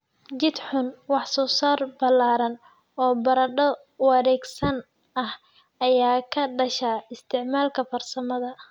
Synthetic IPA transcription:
d͡ʒɪd̪ħʊnwɑħsɔːsaːrbɐlːaːɾɐn | ɔːbɐɾɐɖɔ | wɑɾɛːɡsɐn | ʔɐh | ɐjaːkʰɐɖɐʃaɪst̪ʰɪʕmaːlkʰɐfɐrsɐmɐðɐ

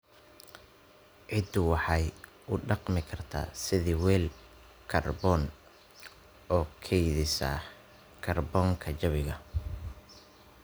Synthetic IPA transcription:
ʕɪd̪ʊwɑħɑj | ʊɖɑqmɪkʰɐrt̪ʰa̰ːsɪðɪwɛːl | kʰɐrbɔːn | ɔːkʰɛjðɪsɐ̰ | kʰɐrbɔːŋkʰɐt͡ʃɐβɪɣɐ

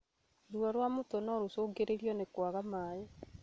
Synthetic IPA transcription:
ɾuaɾwamotɔnɔɾosoːɡeɾeɾiɔnekwaɣamaːjɛ

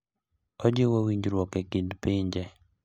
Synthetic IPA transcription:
ɔd͡ʒɪwawiɲd͡ʒɾwɔkɛkidpɪɲd͡ʒɛ

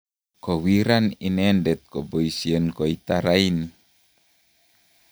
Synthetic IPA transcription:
kowiɾaninɛndɛt̪̚kɔboisiənkoit̪aɾain

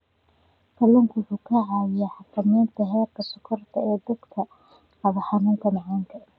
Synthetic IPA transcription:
kʰɐlɐŋkʰwʊħuːkʰɐʕɑjɛħɑkʰɐmɛːnt̪ʰɐɦɛːrkʰɐsʊkʰɔrt̪ʰɐɛːd̪ɐɡk̪ʰɐ | ʕɑβɐħɑnuːŋk̪ʰɐmɑʕaŋkʰɐ

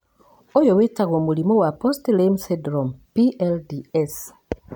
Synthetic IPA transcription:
ojowetaɣoːmulimowapostlemsidɾompiʔeldies

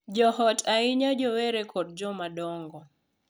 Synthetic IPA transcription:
d͡ʒɔhɔtʰaɪɲad͡ʒɔwɛɾekʰɔd̚d͡ʒɔmadɔŋɡɔ

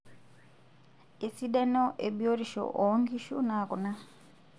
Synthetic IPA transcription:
esidenoʔebjoɾiʃo̰ʔoŋɡiʃunaːkuna

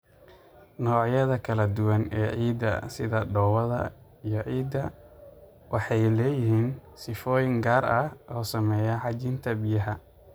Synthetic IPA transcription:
nɔːʕjɐðɐkʰɐlɐd̪ʊwɐnɛ̰ːʕiːd̪ɐ̰sɪðɐɖɔːwɐðɐ̰ | ijɔʕiːd̪ːɐ | wʔɑħɑjlɛːjɪhiːnsɪfɔːjɪŋɡaːrɐhʔɔːsɐmɛːjɐħɑt͡ʃɪnt̪ʰɐbɪjɐɦɐ

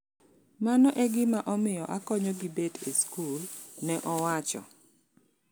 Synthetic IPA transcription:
manɔʔɛɡɪmaʔɔmɪjɔʔakɔɲɔɡibedeskulnɛʔɔwat͡ʃɔ̰

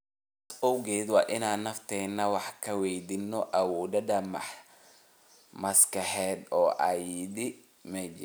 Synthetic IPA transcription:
sɔwɡɛːd̪wɑːʔɪnaːnːɐft̪ʰɛːnːɐwɑħkʰɐwɛjd̪ɪnːɔʔɐwɔːd̪ɐd̪ɐmɑħ | mɐskɐħɛːd̪ɔːʔɐjid̪ɪ | mɛd͡ʒ

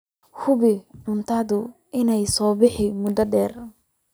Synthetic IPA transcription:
hʊβɪʕʊnt̪ʰɐðʊ | ʔɪnɛjsɔːbɪħɪmʊd̪ɐɖɛːr

